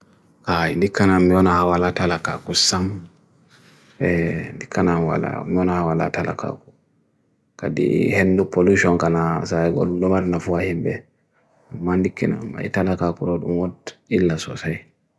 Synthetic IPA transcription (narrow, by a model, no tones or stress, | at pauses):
kaindikːanamːiɔnahawalatalaka̰kusam | ɛndikːanamwa̰la̰miwɔnahawala̰tala̰ka̰ku̥ | kadḭhendupoluʃɔnkanasaɛɡɔ̰ludɔmaɾnafuahimbɛ̰ | amːandikːɛna̰ma̰jtalakakuɾɔɗumwɔtilːasɔ̰saj